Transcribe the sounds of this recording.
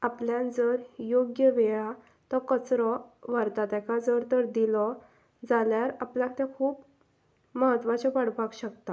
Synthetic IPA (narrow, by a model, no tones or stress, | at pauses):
apljãnd͡zəɾjoɡjəʋɛja | t̪ɔkət͡sɾɔʋaɾt̪at̪akʰad͡zəɾt̪əɾd̪ilɔ | d͡zaljaɾapljakt̪jãkʰuːp | məɦət̪ʋat͡ɕɔpaɽpakɕəkt̪a